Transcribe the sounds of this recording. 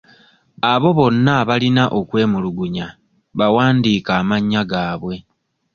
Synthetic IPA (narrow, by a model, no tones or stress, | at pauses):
aβo̞βo̞nːaβalinaʔo̞kwe̞ːmuluɡuɲa | βawaːndiːkaːmaɲːaɡaːβwe̞